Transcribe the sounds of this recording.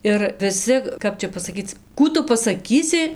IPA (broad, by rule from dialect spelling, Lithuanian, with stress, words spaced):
ɪr ʋʲɪˈsʲɪ ˈkɐp t͡ʃʲɛ pɐsɐˈkʲiːt͡s ˈkuː tʊ pɐsɐˈkʲiːsʲɪ